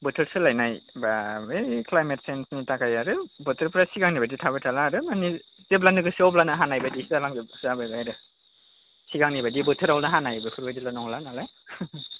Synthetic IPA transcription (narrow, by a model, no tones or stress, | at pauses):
bɔtʰɯɾsɯlajnajbaeklajmet̚sensnitakajaɾɯbɔtʰɯɾpɾasiɡaŋnibaditʰabɯtʰalaːɾɯmanizep̬lanɯɡɯsɔplanaɦanajbadizalaŋzebzababajɾɯ | siɡaŋnibadibɔtʰɯɾawlnaɦanajbɯkʰuɾbadilanɔŋlanala